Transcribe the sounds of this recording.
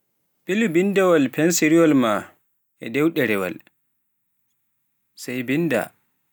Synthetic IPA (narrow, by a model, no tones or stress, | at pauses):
pilbindɛwalpʰɛnsiɾiɔlma | ʔɛdɛwɗɛɾɛwa̰l | sɛjbinda̰